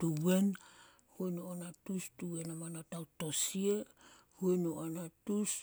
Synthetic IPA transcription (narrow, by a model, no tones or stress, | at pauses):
tuwe̞n | huenoonatustuwe̞namanatawtosie | huenoʔanatus